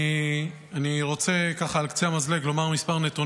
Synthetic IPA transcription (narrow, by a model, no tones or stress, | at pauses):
aniʁo̞t͡se̞kaχaːlkt͡seamazleklo̞maʁmispaʁnet̪u